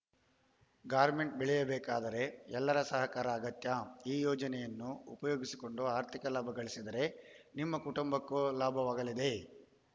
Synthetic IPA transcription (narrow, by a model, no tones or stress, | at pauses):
ɡaːɾme̞ɳʈ̚bɛɭɛjɐbɛːkaːd̪ɐɾe̞ɛlːɐɾɐsɐɦɐkaːɾɐːɡɐt̪jaiːjɔːd͡ʒɐnɛjɐnːuupɐjoːɡisi̥ko̞ɳɖuaːɾt̪ʰikɐlaːbʱɐɡɐɭisid̪ɐɾe̞nimːɐkuʈumbɐkːulaːbʱɐʋaːɡɐlid̪e̞